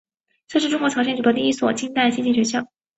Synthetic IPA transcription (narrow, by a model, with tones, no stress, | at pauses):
ʈ͡ʂɤ˥˧ʂɻ̩˥˧ʈ͡ʂʊ˥ŋkwɔ˧˥ʈ͡ʂʰɑ˧˥ŋɕjɛ˥nʈ͡ʂu˨˩ɤ˥˩˥i˥swɔ˨˩t͡ɕi˥nt̪a˥˩ɪɕnt͡ɕi˥˩ɕɥɛ˧˥nɕ̬jɑ˥˩˦